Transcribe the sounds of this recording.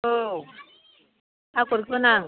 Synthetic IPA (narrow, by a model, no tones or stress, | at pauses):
o | akoɾkonaŋ